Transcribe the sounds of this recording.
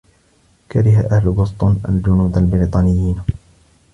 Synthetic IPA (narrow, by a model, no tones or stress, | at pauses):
kaɾɪɦaʔahlʊbʊst̪ˤunʔa̰ld͡ʒʊnuːd̪albɪɾiːt̪ˤɑːnɪjːiːn